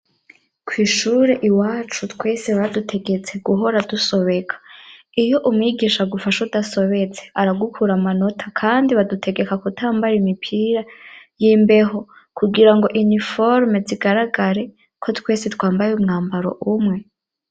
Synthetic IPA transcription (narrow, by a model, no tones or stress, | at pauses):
kwiːʃuːɾe̞ʔiwaːt͡ʃutkwe̞ːsiβadutʰe̞ɡe̞t͡se̞ɡuɦo̞ɾaduso̞βe̞kʰḁ | ijo̞ʔumŋiɡiːʃaɡufaʃaudaso̞βe̞t͡se̞aɾaɡukʰuɾamano̞tʰḁkʰaːndiβadutʰe̞ɡe̞kakutʰaːmbajimipʰiːɾajiːmbe̞ɦo̞kuɡiɾaŋɡo̞ʔinifoɾmeziɡaɾaɡaɾe̞ | kʰo̞twe̞ːsitwaːmbajeumŋaːmbaɾo̞̰ʔumŋe̞